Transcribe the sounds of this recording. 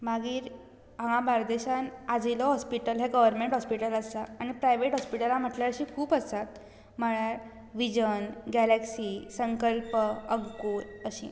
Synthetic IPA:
maɡiːɾ | ãŋãbaɾd̪eɕanad͡ʑilɔɦɔspiʈəlɦeɡəʋəɾmeɳʈɦɔspiʈələsaːɽ̃ipɾajʋeʈɦɔspiʈəlam̤əʈljaɾɕiːkʰuːpəsat̪̚ | m̤əɭ̃aɾ | ʋid͡ʑənɡɛlɛksiːsəŋkəlpəəɡkuɾəɕḭː

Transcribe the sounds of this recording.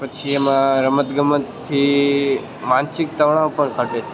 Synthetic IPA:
pət͡ʃʰiemãɾəmət̪ɡəmət̪t̪ʰːi | mansɪk̚t̪əʋɳaopəɳkʰəʈet͡ʃʰe

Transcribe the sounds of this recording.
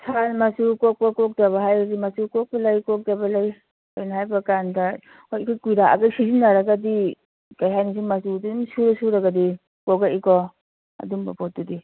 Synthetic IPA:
sʰanmasukɔɔkɔk̚daβaɦajdimasukɔk̚balajkɔk̚dabalaj | ɔjnaɦajbakanda | ɔjkʰajkujɾaa̰ɡajsizinaɾaɡadi | kajɦajnis̬iŋmasudunsuɾɔsuɾaɡadi | kɔɡaikɔ | a̰dumba̰pɔt̚dudi

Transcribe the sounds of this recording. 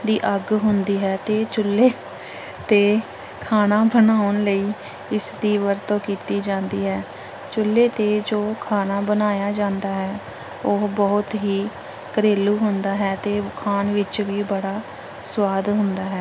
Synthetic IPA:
d̪iːʔəɡɦʊnd̪iːɦɛːt̪eːt͡ʃʊlːeː | t̪eː | kʰaːnaːbənaːʊnləiː | ɪsd̪iːʋəɾt̪õːkiːt̪iːd͡ʒãːnd̪iːɦɛː | t͡ʃʊlːeːt̪eːd͡ʒoːkʰaːnaːbənaːjaːd͡ʒãːnd̪aːɦɛː | oɦbɔːʊt̪ɦiː | kəɾeːluːɦʊnd̪aːɦɛːt̪eːkʰaːnʋɪt͡ʃʋiːbəɽaː | sʊwaːd̪ɦʊnd̪aːɦɛː

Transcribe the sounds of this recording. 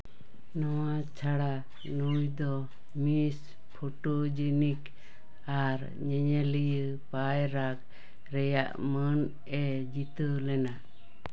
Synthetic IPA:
nɔwa | t͡ʃʰaɽa | nujd̪ɔ | mis | pʰoʈod͡ʒənik | aɾ | ɲɛɲɛlijə | pajɾak | ɾɛja̰ʔmən | ɛ | d͡ʒit̪əlɛna

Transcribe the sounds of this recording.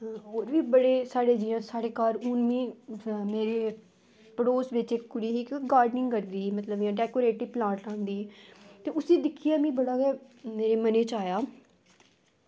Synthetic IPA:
ɦoːɾʋiːbəɽeːsaːɽeːd͡ʒiːãːsaːɽeːkaːɾʊnmĩːmeːɾeː | pəɽoːsʋɪt͡ʃɪkkʊɽiːɦiːɡaːɾɖnɪ̃ŋɡkəɾd̪iːmət̪ləbɪjãːʈɛːkoːɾeːʈːiːplãːʈãːnd̪iːt̪eːʊsĩːd̪ɪkʰɪjaːmĩːbəɽaːkɛːmeːɾeːməneːt͡ʃaːjaː

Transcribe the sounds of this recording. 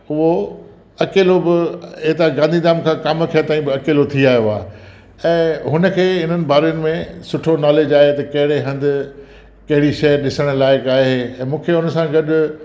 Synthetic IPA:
ʊɦo | ɐkeːlobɪɪt̪aɡãːnd̪ʱid̪aːmkʰãːkaːməkʰet̪aːĩbɪɐkeːlot̪ʰiaːɦijoaː | ɛ̃ːɦʊnə̆kʰeːɪn̤ənɪ̆bʱaːɾijənɪ̆mẽsʊʈʰonaːleːd͡ʑaːɦet̪ɐkɐɦɪɽeɦɐ̃nd̪ɪ̆ | kɐɦɪɽiʃɐəɾɗɪsəɽ̃̆laːɪkaːɦeɛ̃ːmũːkʰeʊnəsãɡɐɗʊ

